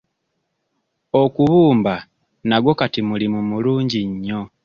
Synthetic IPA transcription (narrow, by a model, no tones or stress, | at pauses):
o̞kuβuːmba | naɡwo̞katimulimumuluːɲɟiɲːo̞